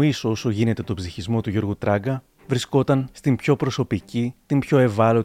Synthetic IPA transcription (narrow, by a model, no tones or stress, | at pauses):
iso̞so̞ʝine̞t̪e̞t̪o̞bziçizmo̞t̪uʝo̞ɾɣut̪ɾɐɡɐ | vɾisko̞t̪ɐnst̪impço̞pɾo̞so̞picit̪impço̞e̞vɐlo̞